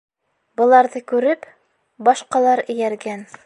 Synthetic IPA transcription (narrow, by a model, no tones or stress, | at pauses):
bɤ̆lˠɑɾðɤkʉɾɘp | bɑʃqɑlˠɑɾɘ̆jæɾɡæn